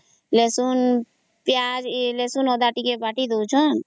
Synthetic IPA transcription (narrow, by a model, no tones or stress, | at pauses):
lesun | pjad͡ʒlesunɔd̪aːʈikebaʈid̪od͡ʒɔn